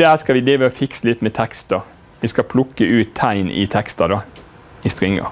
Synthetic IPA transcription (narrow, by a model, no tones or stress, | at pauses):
d̪ɛhæːskɑʋɪd̪eːʋəɔfɪksəlɪt̪mɛt̪ʰɛkst̪̚d̪o | ʋɪskɑpʰlʊkːəʔʉːt̪ʰːæɪnɪ̰t̪ʰɛkst̪ɑd̪ɑː | ɪst̪ɾɪŋːə̰